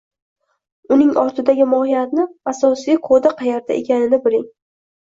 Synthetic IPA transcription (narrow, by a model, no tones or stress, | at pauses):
ʊnɪŋʔɒɾt̪ʰɪd̪aɡʲɪmɒhɪjat̪̚nɪasɒsiqʰod̪aqʰɑjaɾt̪ʰa̰ʔekʲʰanɪnɪbɪɾɪŋ